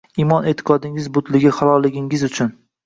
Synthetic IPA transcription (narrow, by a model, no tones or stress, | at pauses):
imɒnet̪ʰɪ̥qʰɒd̪ɪŋɪzbʊt̪lɪɡʲɪχalˠɒlɪɡʲɪŋɪzʊt͡ʃʰʊn